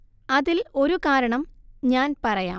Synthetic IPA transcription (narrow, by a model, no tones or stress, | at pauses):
ɐðilo̞ɾukaːɾɐɳɐmɲaːnpɐrɐja̰ː